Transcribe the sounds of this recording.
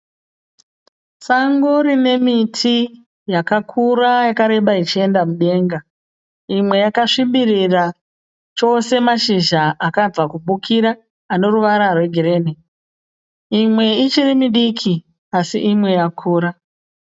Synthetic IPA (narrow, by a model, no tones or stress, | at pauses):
saŋɡoɾine̞mitʰi | jakakʰurajakaɾe̞ɓait͡ʃie̞ndamuɗe̞ːŋɡa | imwe̞jakaʂimirira | t͡ʃo̞se̞maʃiʒaʔakab͡vakuɓukiɾaː | ne̞ɾuʋaɾarwe̞ɡʱeɾe̞ːne | imwe̞it͡ʃiɾimiɗikʰi | asḭʔimwe̞jakʰuːɾa